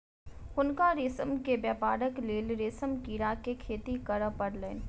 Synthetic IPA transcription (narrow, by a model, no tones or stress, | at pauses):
ʊnkaɾeːsəmkebjɛːpaːɾəkleːlɾeːsəmkiːɾakekʰeːt̪ikəɾəpəɽleːn